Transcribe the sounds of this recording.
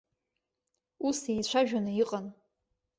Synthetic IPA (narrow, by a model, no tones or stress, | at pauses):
usit͡ɕʷʰaʒᶣanɨjiqʼan